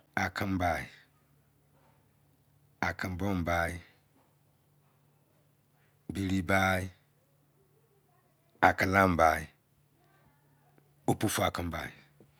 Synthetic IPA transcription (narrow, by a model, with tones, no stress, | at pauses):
a˨kʰə̃˦m˦ba˨i˨ | a˨kʰə˦m˦bɔ˦mba˦i˦ | bi˨ɾi˦ba˦i˦ | a˨kə˨la˦m˨ba˨i˨ | o˦pu˦fu˨a˨kɨ˦m˦ba̰˨i˨